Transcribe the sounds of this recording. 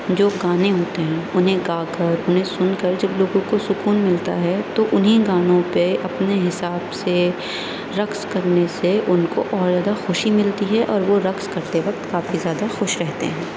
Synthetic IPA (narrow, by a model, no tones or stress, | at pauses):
d͡ʒoːɡaːneɦoːt̪eɦɛ̃ʊnɦẽɡaːkɐɾʊnɦẽsʊnkɐɾd͡ʒɐbloːɡõkosʊkuːnmɪlt̪aɦɛt̪oʔʊnɦĩɡaːnõpeʔɐpneɦɪsaːbse | ɾɐkskɐɾneseʔʊnko̰ʔɔːɾzjaːd̪axoːʃimɪlt̪iɦɛʔɔːɾʋoɾɐkskɐɾt̪eʋɐk̚t̪kaːfizjaːd̪axʊːʃɾɛɦt̪ḛɦɛ̃ː